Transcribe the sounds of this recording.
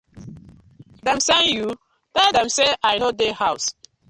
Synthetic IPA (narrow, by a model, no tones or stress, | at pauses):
dãmsanju | d̥adãmseʔajnodehaʊs